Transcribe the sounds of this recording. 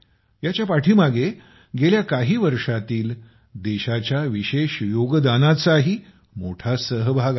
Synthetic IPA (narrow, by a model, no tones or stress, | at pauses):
jat͡ɕjapaʈʰiːmaɡe | ɡeljakaɦiːʋəɾʂat̪iːl | d̪eɕat͡ɕjaʋiɕeɕjoɡd̪anat͡saɦiː | moʈʰasəɦbʱaɡ